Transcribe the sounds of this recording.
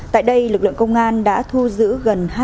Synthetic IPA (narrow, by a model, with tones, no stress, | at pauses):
t̪a̰ː˧˨jɗə˧jlɨ˨˩k̚lɨ̰˧˨ə˨ŋkə˧wŋ͡mʔaː˧nɗa̰ː˧˥t̪ʰu˧zɨ̰˧˥ɣə˨˩nha˧